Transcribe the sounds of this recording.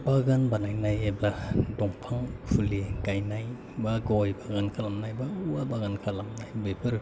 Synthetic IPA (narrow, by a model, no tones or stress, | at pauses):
baɡanbanajnajebladɔŋpʰaŋpʰuliɡajnaj | baɡɔjbaɡankʰalamnajbauwabaɡankʰalamnajbebʰɯɾ